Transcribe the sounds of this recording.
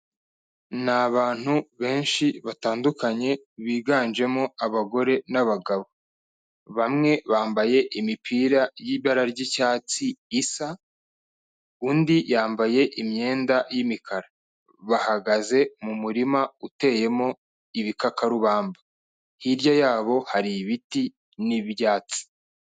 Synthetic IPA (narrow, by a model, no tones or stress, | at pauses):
naβaːn̥huβe̞ːnʃiβataːndukaɲe̞βiːɡaːnd͡ʒe̞mo̞aβaɡo̞ɾe̞naβaɡaβo̞ | βamŋe̞βaːmbaje̞ʔimipʰiːɾajiːβaɾaɾɟicaːt͡siːsa | uːndijaːmbaje̞ʔimɲe̞ːndajimikʰaɾa | βahaɡaze̞mumuɾimaute̞je̞mo̞ | iβikakaɾuβaːmba | hiɾɟajaːβo̞haɾiβiti | niβjaːt͡si̥